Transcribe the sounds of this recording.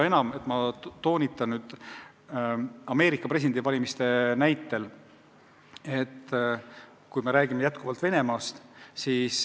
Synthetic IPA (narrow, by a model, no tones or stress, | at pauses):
e̞nɑme̞t̪ːˑmɑt̪o̞ːnʲit̪ːˑɑnnyːd̪̥ | ɑme̞ːɾikːˑɑpresid̪end̪ivɑlʲimist̪e̞næjt̪ːe̞l | e̞t̪ː | kujme̞ɾæːɡ̥ime̞jæt̪kuvɑlt̪ve̞ne̞mɑːst̪siːs